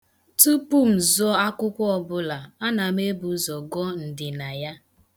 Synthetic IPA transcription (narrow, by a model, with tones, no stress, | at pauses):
tu˦pu˦m̩˨zɔ˦a˦kʊ˦kʷɔ˦ɔ˨bʊ˦la˨a˦na˨me˦bu˨˦zɔ˨ɡɔ˦n̩˨dɪ˨na˨ja˦